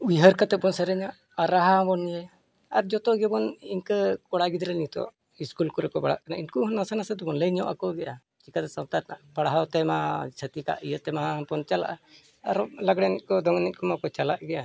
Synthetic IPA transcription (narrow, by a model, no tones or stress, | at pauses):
ujɦəɾkat̪ɛbɔnsəɾɛɲaʔːɾaɦabɔnjɛ | aɾd͡ʒɔt̪ɔɡɛbɔniɲkəkɔɽaɡid̪ɾɛnit̪ɔ̰ʔ | iskulkɔɾɛkɔbaɽa̰ʔkanainkuɦnasanasəd̪ɔbɔnləɲɔʔakɔɡɛʔa | t͡ʃikat̪ɛsawt̪aɾnapaɽɦawt̪ɛmat͡ʃʰət̪ika̰ʔijət̪ɛmaapɔnt͡ʃala̰ʔa | aɾɔlaɡɽɛnɛt̪̚kɔd̪ɔŋnit̪̚kɔmakɔt͡ʃalaʔɡɛʔa